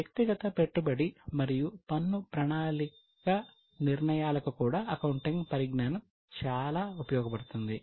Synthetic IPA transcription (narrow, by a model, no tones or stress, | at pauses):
jɐk̚t̪iɡɐt̪ɐpe̞ʈːubɐɽimɐɾijupɐnːupɾɐɳaːli | kɐ | niɾɳɐjaːlɐkukuːɽaːʔɐkɐwuɳʈiŋɡpɐɾiɡɳaːnɐm | t͡ʃaːlaːupɐjɔːɡɐpɐɽut̪und̪i